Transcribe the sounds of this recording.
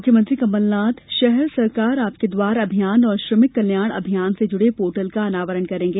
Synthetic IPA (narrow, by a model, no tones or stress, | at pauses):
mʊkʰjəmɐ̃nt̪ɾikɐməlːaːt̪ʃɛɦɛɾsɐɾkaːɾaːp̚ked̪ʋaːɾɐbʱijaːnɔːɾʃɾəmɪkːɐljaːɽ̃ɐ̰bʱijaːnsed͡ʒʊɽepoːʈəlkaɐnaːʋəɾəɳkɐɾẽːŋɡeː